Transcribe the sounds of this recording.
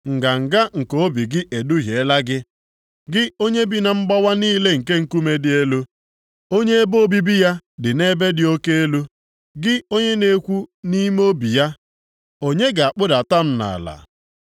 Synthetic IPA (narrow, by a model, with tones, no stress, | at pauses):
ŋ̩˨ɡa˨ŋ̩˨ɡa˦ŋ̩˨ko˨˦bi˨ɡɪ˦ʔe˨du˦ɦje˨˦la˦ɡɪ˦ | ɡɪ˦o˦ɲe˦bi˦na˨ŋ͡m̩˦ɡ͡ba˦wa˦niː˦le˦ŋ̩˨ke˦ŋ̩˦˨ku˦me˦dɪ˨e˦lu˦ | o˦ɲe˦e˦bo˦bi˦bi˦ja˦dɪ˨ne˦be˦dɪ˨o˦ke˦e˦lu˦ | ɡɪ˦o˦ɲe˦ne˦kʷu˦ni˦m˦o˦bi˨ja˦ | o˦ɲe˦ɡa˨a˨k͡pʊ˦da˨ta˦m̩˦na̰˨la̰˨